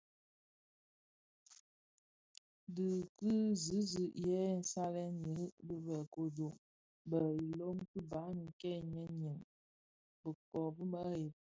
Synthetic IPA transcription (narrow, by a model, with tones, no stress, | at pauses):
dɨ˨kɨ˦zɨ˨˦zi˨ʔjɛ˦˨n̩˨sa˦lɛ˦n˨ɲə˨˦bə˦bə˨ko˨do˨ŋ | bə˨i˨lo˦mkɨ˦ba˨˦nə˨kɛ˦˨ɲə˦ɲi˨m | bə˨kɔ˨bə˦mə˦je˨p̚